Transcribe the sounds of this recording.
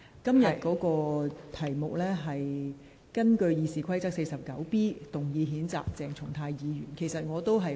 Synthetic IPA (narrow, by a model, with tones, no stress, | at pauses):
kɐ˥mjɐ˨t̚kɔː˨˥kɔː˧t̪ʰɐ˨˩jmʊ˨k̚lɛː˥ɦɐ˨j | kɐ˥nkɵ˧ɥjiː˨˧siː˨˩kʰɐ˥jt͡sɐ˥k̚se˧jsɐ˨p̚kɐ˨˥wpiː˥t̪ʊ˨˩ŋjiː˨˧ɦiː˨˥nt͡sa̰ː˨k̚t͡sɛː˨˩ŋt͡sʰʊ˨˩ŋt̪ʰaː˧jjiː˨˧ɥy̰ː˨˩nkʰe˨˩jsɐ˨t̚ŋɔː˨˧t̪o˥wɦɐ˨j